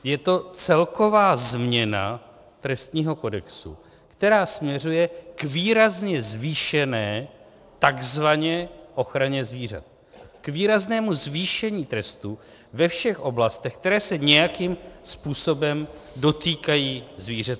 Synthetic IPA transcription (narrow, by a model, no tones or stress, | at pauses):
jɛt̪o̞t͡sɛlko̞vaːzmɲɛna̰ | t̪ɾɛst̪ɲiːɦo̞ko̞dɛksṵ | kt̪ɛɾaːsmɲɛr̝ujɛkviːɾazɲɛzviːʃɛnɛː | t̪aɡzvaɲɛʔo̞xɾaɲɛzviːr̝a̰t̪̚ | kviːɾaznɛːmuzviːʃɛɲiːt̪ɾɛst̪uvɛfʃɛxʔo̞blast̪ɛxk̚t̪ɛɾɛːsɛɲɛjakimspuːso̞bɛmdo̞t̪iːkajiːzviːrat̪